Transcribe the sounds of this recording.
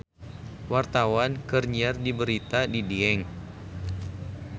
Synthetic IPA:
wart̪awankərɲiardibəɾit̪adidiɛŋ

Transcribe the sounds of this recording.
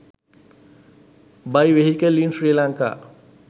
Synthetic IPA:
bajʋeɦikelinsɾilãŋka̰

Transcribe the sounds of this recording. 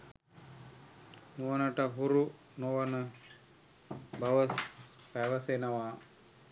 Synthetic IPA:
muʋənəʈəɦuɾu | noʋənə | bɐʋəspæʋəsenɐʋaː

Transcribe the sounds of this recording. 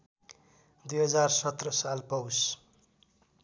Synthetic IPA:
d̪ujɦʌd͡zarsʌt̪rʌsalpʌws

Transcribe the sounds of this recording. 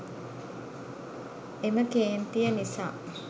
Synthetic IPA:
eməkeːnt̪ijənisa̰ː

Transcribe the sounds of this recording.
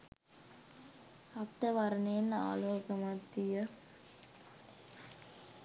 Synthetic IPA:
ɐkt̪ːəʋaɾənena̰ːloːkəmat̪ːijə

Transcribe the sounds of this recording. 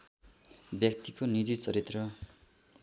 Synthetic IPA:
bjʌk̚t̪ikonid͡zit͡sʌɾit̪rʌ

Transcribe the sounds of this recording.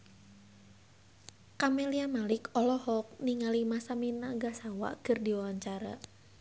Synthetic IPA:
kameliamalɪkɔlɔhɔk̚niŋalimasaminaɡasawa̰kɨrdiwawaɲt͡ʃaɾa̰

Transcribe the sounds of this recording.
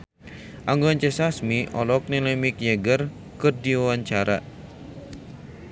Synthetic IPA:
ʔaŋɡoaɲt͡ʃɛsasmiʔɔ̰lɔk̚nilɛmikjɛɡər | kɨrdiwawaɲt͡ʃaɾa̰

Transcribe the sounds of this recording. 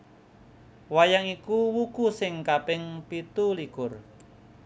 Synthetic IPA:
wajaŋikuwukusɪŋkapɪŋpit̪ulikʊr

